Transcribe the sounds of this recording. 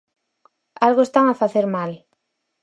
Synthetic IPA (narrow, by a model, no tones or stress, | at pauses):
alɣoest̪aŋafaθeɾmal